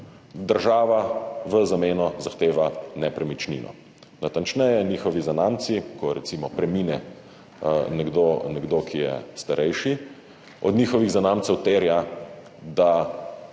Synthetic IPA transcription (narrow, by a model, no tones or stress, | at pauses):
d̪əɾʒaːʋaʋəzameːnɔzaxt̪eːʋanɛpɾɛmit͡ʃnḭnɔ̰ | nat̪ant͡ʃnɛjɛniːxɔʋizanaːmt̪sikɔɾɛt̪simɔpɾɛmiːnɛ | nɛɡd̪onɛɡd̪oːkʰijɛ̰st̪aɾʔɛjʃi | ɔd̪niːxɔʋiɣzanaːmt̪sɛwt̪eːɾja | d̪a